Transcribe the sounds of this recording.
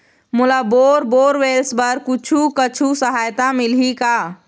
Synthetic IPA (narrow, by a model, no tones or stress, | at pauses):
mulaboɾboːɾwelsbəɾkut͡ʃʰukət͡ʃʰusəɦaːjt̪amilɦika